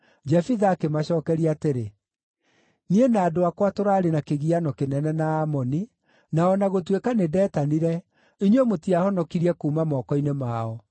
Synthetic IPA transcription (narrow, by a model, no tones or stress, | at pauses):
d͡ʒɛfiðaːkemaɕɔːkɛɾiateɾe | nienaːdoakwatoɾaɾenakeɣianɔkenɛnɛnaːmɔni | naɔnaɣotwekanedɛːtaniɾɛ | iɲwɔmotiahɔnɔkiɾiɛkuːmamɔːkɔinemaːɔ